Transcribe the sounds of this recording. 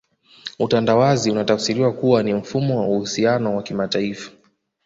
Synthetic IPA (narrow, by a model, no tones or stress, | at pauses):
utandawaziunatafsiɾiwakuwanim̩fumɔwauhusianɔwakimataifḁ